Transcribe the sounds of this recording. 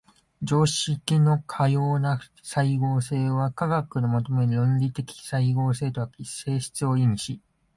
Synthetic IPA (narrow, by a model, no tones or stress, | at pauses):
d͡ʑo̞ːɕikʲino̞kʰajo̞ːna | saiɡo̞ːse̞ːβakaɡakɯ̟nomo̞t̪o̞me̞ɾɯ̟jõ̞nɾʲit̪e̞kʲi̥saiɡo̞ːse̞ːt̪o̞βakise̞ːɕi̥t͡sɨo̞iɲiɕi